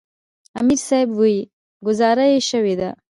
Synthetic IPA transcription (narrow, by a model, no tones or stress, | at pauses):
amiɾsɑɪbwoi | ɡʊzɑɾajeʃəwed̪a